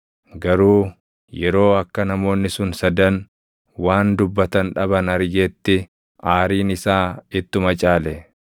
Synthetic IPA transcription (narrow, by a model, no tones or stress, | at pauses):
ɡɐɾuː | jɛɾo̞ːɐkːɐnɐmo̞ːnːɪsʊnsɐd̪ɐn | waːnd̪ʊbːɐt̪ɐnᶑɐbɐnɐɾjet̪ːɪ | ʔaːɾiːnɪsaːɪt̪ːʊmɐt͡ʃʼaːlɛ